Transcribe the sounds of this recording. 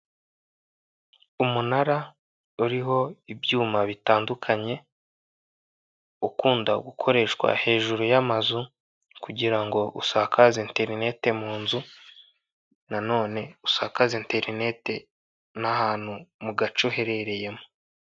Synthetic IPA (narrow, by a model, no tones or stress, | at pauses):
umunaɾa | uɾiɦo̞ibjuːmaβitaːndukʰaɲe̞ | ukuːndaɡukʰo̞ɾe̞ʃkwa̰he̞ːʒuɾujamazu | kuɟiɾaŋɡo̞ʔṵsaːkʰazente̞ɾine̞te̞muːnzu | nano̞ːne̞usaːkazente̞ɾine̞te̞ | nahaːn̥humuɡat͡ʃoɦe̞ɾe̞ɾe̞je̞mo